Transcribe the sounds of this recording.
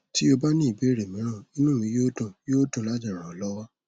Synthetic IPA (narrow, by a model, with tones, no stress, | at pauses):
ti˦o˧ba˦nĩ˦i˨be˨˦˨ɾe˨mĩ˨˦ɾ̃ã˦˨ĩ˦nũ˦˨mĩ˧˦jo˦dũ˨jo˦dũ˦˨la˨˦d͡ʒa˦˨ɾ̃ã˨ɔ˨lɔ˦wa˦